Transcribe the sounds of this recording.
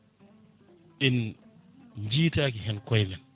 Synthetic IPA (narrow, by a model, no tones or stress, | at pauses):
ʔin | md͡ʒiːtakiɦɛnkɔjmɛn